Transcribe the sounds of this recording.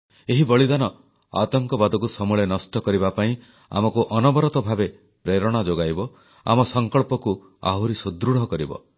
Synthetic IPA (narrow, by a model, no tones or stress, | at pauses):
eɦibɔɭid̪anɔ | a̰t̪ɔŋkɔbad̪ɔkusɔmuɭenɔsʈɔkɔɾibapaĩ | a̰mɔkuʔɔnɔbɔɾɔt̪ɔbʱabe | pɾeɾɔɽ̃ad͡ʒoɡajbɔ | a̰mɔsɔŋkɔɭpɔku | a̰ɦuɾisud̪ɾuɽɔkɔɾibɔ̰